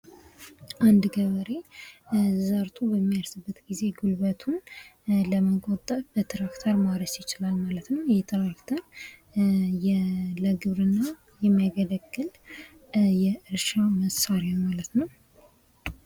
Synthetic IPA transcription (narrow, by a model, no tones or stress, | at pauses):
ʔand̪ɡəβəɾe̞ | zaɾt̪ʰubəmːijaɾsɨbːət̪ɡize̞ɡulβət̪ʰunləməɡʼot̪ʼːəfbət̪ʰɾakt̪ʰəɾmaɾəsjɪt͡ʃɪlalmalət̪nəwjɛt̪ʰɾakt̪ʰəɾ | jɛləɡɨβɾɨnːa | jɛmaɡələɡːɨl | jɛʔɨɾʃaməsaɾawmalət̪nəw